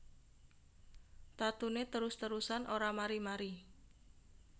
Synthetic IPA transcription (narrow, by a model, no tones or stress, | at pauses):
t̪at̪unet̪əɾʊst̪əɾusanʔoɾamaɾimaɾi